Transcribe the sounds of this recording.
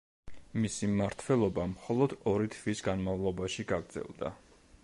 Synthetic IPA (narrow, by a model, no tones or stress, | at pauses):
misimaɾt̪ʰwɛlˠɔbamχɔlˠɔd̪ɔɾit̪ʰvisɡanmavlˠɔbaʃiɡaɡɾd̪zɛ̰lˠd̪a̰